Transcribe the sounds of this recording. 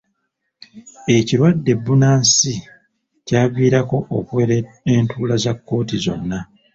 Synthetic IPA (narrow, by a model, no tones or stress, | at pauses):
e̞ciɾwadːe̞bːunaːnsi | caːβiːɾako̞ʔokuweɾe | entʰuːlazakːo̞ːtizo̞̰nːa